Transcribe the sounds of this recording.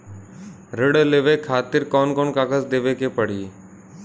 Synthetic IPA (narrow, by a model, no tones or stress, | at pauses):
ɾɪɽleːʋekʰaːt̪ɪɾkɔːnkɔːnkaːkəzd̪eːʋekepəɽ̤iː